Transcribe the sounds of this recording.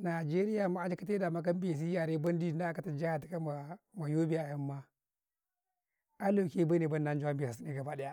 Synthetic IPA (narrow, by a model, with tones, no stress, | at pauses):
na˨d͡ʒe˦ɾi˦ja˨ma˦a˦n˦d͡ʒi˦ka˦te˦da˨ma˦k̬a˦m˦be˨s̬i˦ja˨ɾe˦ba˦n˦di˦˨nda˦ka˦ta˨d͡ʒa˦ja˨ti˨ka˦ma˨ma˨jo˦bi˦a˨ja˦mːa˦ | a˦lo˨ke˦ba˦ne˨ba˦nː˦a˦n˦d͡ʒu˦a˦mbi˨sa˨si˦ne˦ɡa˨ba˦ɗe˦ja˦